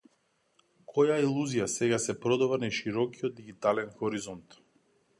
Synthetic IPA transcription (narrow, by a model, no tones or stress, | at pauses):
kʰɔjailˠuzijasɛɡasɛpɾɔd̪avanaʃiɾɔkijɔd̪̚diɡit̪alɛnxɔɾizɔnt̪